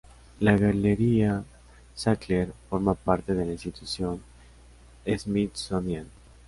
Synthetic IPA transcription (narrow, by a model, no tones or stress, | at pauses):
laɣaleɾia | sakleɾfoɾmapaɾt̪eð̞e̞lainst̪it̪usjon | ezmit̪somjen